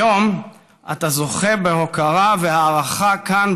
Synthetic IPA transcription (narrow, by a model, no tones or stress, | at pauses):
o̞m | a̰t̪azo̞χebe̞ɦo̞kaʁavehaːʁaχakan